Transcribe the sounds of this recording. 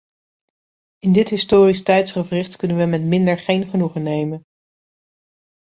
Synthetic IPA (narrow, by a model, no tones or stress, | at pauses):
ɪndɪtɦɪstʊːristɛjtsχəvrɪχtkɵnənʋəmɛtmɪndəɹχejnχənuχənːejmən